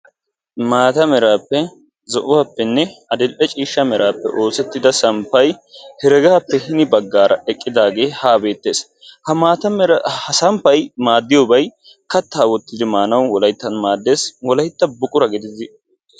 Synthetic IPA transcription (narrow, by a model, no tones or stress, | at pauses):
maːt̪ɐmɛɾaːpːɛ | zɔʔʊwaːpːɛnːɛɐd̪ɛlʔɛt͡ʃʼiːʃːɐmɛɾʔaːpːɛ̰ʔo̞ːsɛt̪ːɪd̪ɐsɐmpːɐjhɛɾɛɡaːpːɛhɪnɪbɐɡːaːɾʔɐʔɛkʼːɪd̪aːɡe̞ːhaːbe̞ːt̪ːe̞ːs | hɐaːt̪ɐhɐsɐmpːɐjmaːd̪ːɪjobɐj | kɐt̪ːaːwɔt̪ːɪd̪ɪmaːnɐwwɔlɐjt̪ːɐnmaːd̪ːe̞ːswɔlɐjt̪ːɐbʊkʼʊɾɐɡɪd̪ɪzɪ